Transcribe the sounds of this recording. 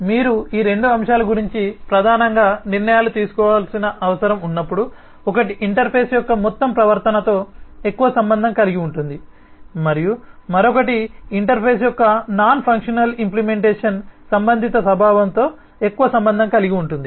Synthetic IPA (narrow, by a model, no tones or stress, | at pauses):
miːɾuiːɾe̞ɳɖuɐmʂaːlɐɡuɾiɲt͡ʃipɾɐd̪ʱaːnɐŋɡaːniɾnɐjaːlut̪iːsu̥kɔːʋaːlsinɐʔɐʋɐsɐɾɐmunːɐpːuɽu | ɔkɐʈiʔiɳʈɐɾpʰeːsjɔkːɐmɔt̪ːɐmpɾɐʋɐɾt̪ɐnɐt̪o̞ːe̞kːuʋɐsɐmbɐnd̪ʱɐŋkɐliɡiuɳʈund̪i | mɐɾijumɐɾokɐʈiiɳʈɐɾpʰeːsjɔkːɐnaːnpʰɐŋkʂɐnɐlimplime̞ɳʈeːʂɐnsɐmbɐnd̪ʱit̪ɐsɐbʱaːʋɐnt̪o̞ː | e̞kːuʋɐsɐmbɐnd̪ʱɐŋkɐliɡiuɳʈund̪i